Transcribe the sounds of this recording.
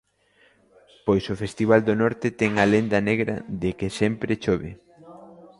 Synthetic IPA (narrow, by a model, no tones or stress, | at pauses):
pojsofest̪iβ̞ald̪onɔɾt̪ɪt̪ɛŋɐlend̪ɐneɣɾɐ̰ðɪkɪsɛmpɾɪt͡ʃoβɪ̰